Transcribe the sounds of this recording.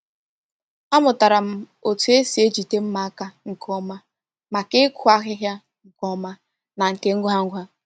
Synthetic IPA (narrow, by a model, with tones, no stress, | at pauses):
a˦mʊ˨ta˨ɾa˨m̩˦˨ | o˨tu˨e˦si˨e˦d͡ʒi˨te˦m̩˦ma˨a˦ka˦ŋ̩˨kɔ˦ma˦ | ma˨kɪ˦kʷʊ˦a˦ɣɪ˦ɦja˦ | ŋ̩˨kɔ˦ma˦ | na˨ŋ̩˨ke˦ŋ̩˦ɡʷɦa˦ŋ̩˦ɡʷa˦